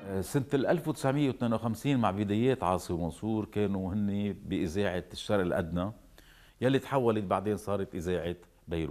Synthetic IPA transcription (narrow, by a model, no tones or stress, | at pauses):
sɪnt̪lʔalfwt̪ɪ̥sʕmɪjːewt̪meːnawxamsiːnmaʕbɪd̪eːjeːt̪ʕɑːsˤiwmɑnsˤuːɾkeːnuhɪnːibɪʔɪzeːʕaʃːɑɾˤʔɪlʔa̰d̪na | jalːit̪ħawːalɪt̪̚baʕd̪eːnsˤɑːɾˤɑt̪ʔɪzeːʕɪ | bajɾṵːt̪